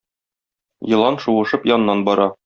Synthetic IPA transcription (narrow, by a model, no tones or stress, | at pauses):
jɤ̆lˠɑnʃuʁɤ̆ʃɤpjɒn̆nːɑnbɒɾɑ